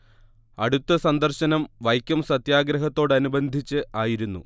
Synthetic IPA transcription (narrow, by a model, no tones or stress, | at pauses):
ɐ̰ɽut̪ːɐsɐnd̪ɐrɕɐnɐmʋɐjkʲːɐmsɐt̪jaːɡɾɐɦɐt̪ːo̞ːɽɐnubɐnd̪ʱit͡ɕːɨʔaːjiɾunːṵ